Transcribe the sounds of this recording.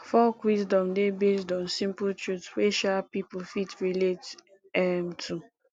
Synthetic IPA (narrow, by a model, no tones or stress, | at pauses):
fɔlkwisdɔ̃mdebesdɔ̃nsĩmptɹudsweʃapipʊfitɹilet | ɛmtʰu